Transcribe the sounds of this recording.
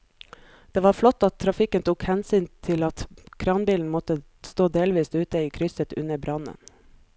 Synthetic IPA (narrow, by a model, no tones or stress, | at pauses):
d̪̥eːʋɑːɾflɔt̪ːɑt̪ʰːɾɑfɪkənt̪ʰuːkhɛnsyːnt̪ʰɪlɑt̪kʰɾɑːnbiːln̩mɔt̪ə | st̪oːd̪eːlʋiːsʉːt̪əiːkʰɾʏsət̪ʉ̰nəbɾɑnə̰n